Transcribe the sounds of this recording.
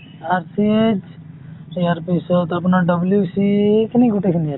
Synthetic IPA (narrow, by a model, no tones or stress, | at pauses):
aɾsiet͡ʃ | ɾiaɾpisɔt̪apnaɖəbljusikniɡuʈekʰnija